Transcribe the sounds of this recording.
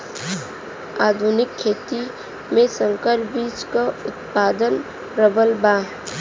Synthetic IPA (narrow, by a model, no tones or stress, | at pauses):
aːd̪ʱunɪkʰːeːt̪i | mẽsə̃ŋkəɾbiːt͡ʃkaʊt̪paːd̪ən | ɾəbəlbaːɦ